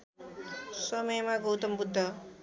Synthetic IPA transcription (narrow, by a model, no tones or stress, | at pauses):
sʌmʌjmaɡowt̪ʌmbud̪ʱːʌ